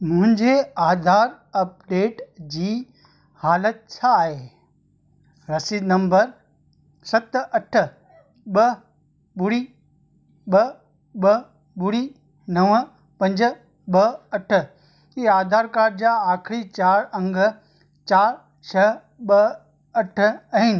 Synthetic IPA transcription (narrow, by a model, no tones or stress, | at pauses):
mʊ̃ɦɪ̃ɲd͡ʑeaːd̪ʱaːɾ | ɐp̚ɖeːʈd͡ʑiː | haːlət̪̚t͡ɕʰaːɦeː | ɾɐsid̪nɐ̃mbəɾ | sɐt̪ɐʈʰ | ɓɐ | ɓʊɽiː | ɓɐ | ɓɐ | bʊɽi | nɐʋ | pɐ̃ɲd͡ʑə̆ | ɓɐɐʈ̆ʰ | iːaːd̪ʱaːɾkaːɾɖd͡ʑãaːkʰɪɾit͡ɕaːɾɐ̃ŋɡ | t͡ɕaːɾ | t͡ʃʰɐ | ɓɐ | ɐʈʰɐɦɪnɪ̆